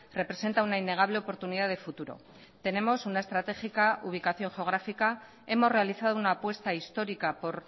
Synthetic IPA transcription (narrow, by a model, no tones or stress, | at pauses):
re̞pɾe̞se̞nt̪aunainːe̞ɣ̞aβ̞le̞opo̞ɾt̪uniðaðe̞fut̪uɾo̞̰ | t̪e̞ne̞mo̞sunae̞st̪ɾat̪e̞xikaʔuβ̞ikaθjo̞ŋxeoɣ̞ɾafika | e̞mo̞zre̞aliθað̞o̞unaːpwe̞st̪aist̪o̞ɾikapo̞ɾ